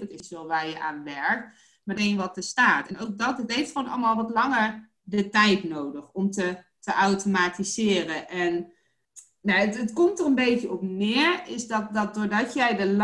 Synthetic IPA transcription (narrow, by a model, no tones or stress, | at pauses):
ɑtɪsʋɛlˠʋaːɹjəʔaːnʋɛɹk̚t | matejnʋɑt̚əstaːtɛnowk̚dɔtətɦejftχʋonʔɑ̰lˠmaːlˠʋɑtlɑŋəɹ | dətɛjtnowdəχɔmtə | təʔawtomaːtizɪːrəʔɛn | naətətkɔmtərənbejkjəɔpnɪːɹɪsdɔt̚dɔt̚dʊːɹdɔtjɛjdəl